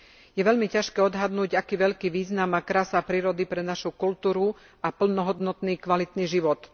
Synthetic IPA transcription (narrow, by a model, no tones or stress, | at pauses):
jɛʋɛʎmicaʃkɛːɔd̪ɦad̪nuːɟakiːʋɛʎkiːʋiːznamakɾaːsapɾiːɾɔd̪ipɾɛnaʃukult̪uːɾu | apl̩nɔɦɔd̪nɔt̪niːkʋalit̪niːʒiʋɔt̪